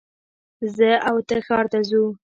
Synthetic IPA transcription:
zəawt̪əxɑɾt̪azu

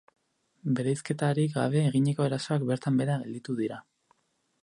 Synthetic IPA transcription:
be̞ɾejske̞t̪aɾikɡa̰β̞e̞ːɣ̞iɲe̞ko̞e̞ɾaso̞ak̚be̞ɾt̪ambe̞ɾaɣeld̪it̪uðiɾa

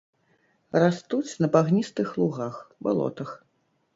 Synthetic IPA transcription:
rast̪ut͡sʲnɐbaɣnʲist̪ɨxlˠuɣaxba̰lˠɔ̰t̪ɐx

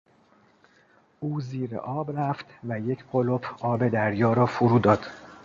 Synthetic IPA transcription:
ʔuːziːɾḛʔɒːbræft̪væjecʰɢolopʰɒːbe̞d̪æɾjɒːɾɒːfoɾuːd̪ɒːd̪̥

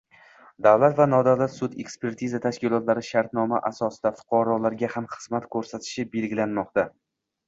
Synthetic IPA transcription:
d̪avlat̪vanɒd̪awlat̪sʊt̪e̞kspe̞ɾt̪ʰizat̪ʰaʃkʲɪlˠɒt̪laɾɪʃaɾt̪nɒmaʔasɒsɪd̪afʊ̥qʰɒɾɒlaɾɡʲahamχɨzmat̪kʰɵɾsat̪ʰɪ̥ʃɪbe̞lɡʲɪlanmɒq̚t̪a

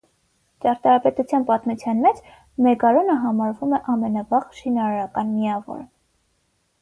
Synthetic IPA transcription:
t͡ʃɑɾt̪ɑɾɑpɛt̪ut͡sʰjɑnpɑt̪mut͡sʰjɑnmɛt͡s | mɛɡɑɾɔnəɦɑmɑɾvumɛʔɑmɛnɑvɑʁʃinɑɾɑɾɑkɑnmiɑvɔ̰ɾ

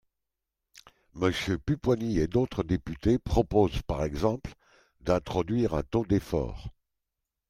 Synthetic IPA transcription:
məsjøpypwanied̪ot̪χəd̪epyt̪epχɔpozpaʁɛɡzɑ̃pl | d̪ɛ̃t̪χɔd̪ɥiʁɛ̃t̪od̪efɔ̰ːʁ

